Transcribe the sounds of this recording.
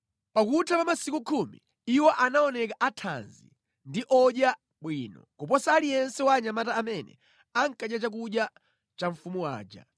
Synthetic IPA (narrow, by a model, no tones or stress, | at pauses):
pakutʰapamasikukʰumḭ | iwɔʔanaɔnɛkaʔatʰa̰nzḭ | ndiʔɔɗja | ɓwinɔ̰kup̬ɔsaːlijɛnsɛwaɲamataːmɛnɛ̰ | aŋ̩kaɗjat͡ʃak̬uɗja | t͡ʃaɱfumuwa̰ːd͡ʒa̰